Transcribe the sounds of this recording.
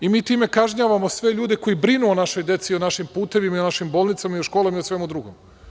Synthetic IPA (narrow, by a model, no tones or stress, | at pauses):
imiːt̪iːme̞kaʒɲaːʋamo̞sʋe̞ʎuːd̪eko̞jibɾinuonaʃo̞jd̪e̞t̪sionaʃimpuːt̪e̞ʋimaionaʃimboːlˠnit̪samaioʃko̞ːlˠomiosʋe̞mud̪ɾuɡo̰m